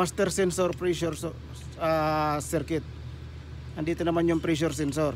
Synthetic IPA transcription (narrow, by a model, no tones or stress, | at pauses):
mast̪ɛrsɛnsɔrpɾiʃɔrsɔ | əsɛrkɪt̪̚ | andit̪ɛnamaɲɔmpɾiʃ̬ɔrs̬ɛnsɔr